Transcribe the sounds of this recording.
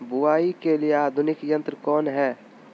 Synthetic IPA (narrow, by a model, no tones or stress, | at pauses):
bʊaːikelieaːd̪ʱʊnɪkjə̃nt̪ɾkɔːnɦɛː